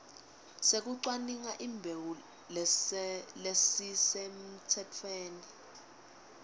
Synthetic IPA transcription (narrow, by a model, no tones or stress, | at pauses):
sek̬uǀwaniŋaʔiːmbʱewu | l | lesisem̩tʰɛtʰweːni